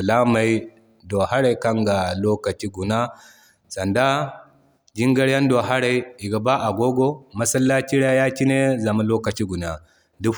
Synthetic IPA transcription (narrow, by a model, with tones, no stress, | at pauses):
la˦ma˨i˦ | do˨ha˦ɽa˨jka˦ŋɡa˨loː˦kɐ˨t͡ʃi˦ɡu˨na˦ | sɐ˨nda˦ | d͡ʒi˦ŋɡɐ˦ɽja˦ndo˨ɦa˦ɾa˨˦i˨ɡa˨ba˦ʔa˨ɡʷo˦ɡo˦mɐ˦sɐ˦lːa˦t͡ʃi˦ɽa˦ja˦ki˦ne˦za˨ma˦loː˦kɐ˨t͡ʃi˦ɡu˨na˨ | du˦